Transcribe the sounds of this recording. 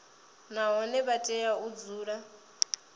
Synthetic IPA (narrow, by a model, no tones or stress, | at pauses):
naɦɔnɛβatʼɛjaud͡zuːɺa